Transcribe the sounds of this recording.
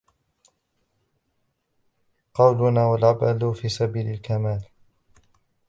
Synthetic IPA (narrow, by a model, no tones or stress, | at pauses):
qɑwlʊnaːwalʕabʔalʊfiːsabiːlalkamaːl